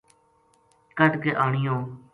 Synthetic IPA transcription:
kəʈkeːʔaːɳɪjõː

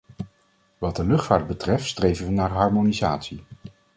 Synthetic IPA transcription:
ʋɑd̚dəlɵχtfaːɹd̚bətrɛftstrejvənʋənaːɹɦɑɹmonizaːtsi

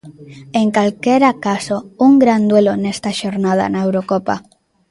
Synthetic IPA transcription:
eŋkalkeɾakasouŋɡɾand̪welonest̪aʃoɾnað̞a̰naewɾokopa̰

